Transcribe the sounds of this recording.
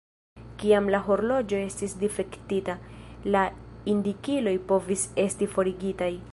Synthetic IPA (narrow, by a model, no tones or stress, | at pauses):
kiamlaɦo̞ɾlo̞d͡ʒo̞e̞stisdife̞ktitalaindikilo̞jpo̞vise̞stifo̞ɾiɡitaj